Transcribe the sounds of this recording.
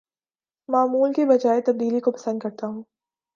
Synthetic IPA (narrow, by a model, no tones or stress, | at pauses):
maːmuːlkebɐd͡ʒaːet̪ɐb̚d̪iːlikopɐsə̃nd̪̚kɐɾt̪aɦũː